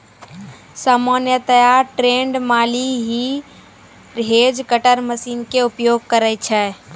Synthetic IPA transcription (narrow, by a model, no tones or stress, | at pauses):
səmənjət̪əjaʈɾeɳɖmaliɦi | ɾɦed͡ʒkəʈəɾməsinkeupjoɡ̚kəɾət͡ʃʰɛ